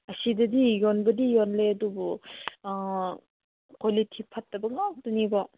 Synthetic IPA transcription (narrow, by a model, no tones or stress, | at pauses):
ɐsidɐdijɔnbɐdijɔnleɐdubɔ | kʰolitʰipʰat̚ːɐbɐŋak̚dɔnibɔ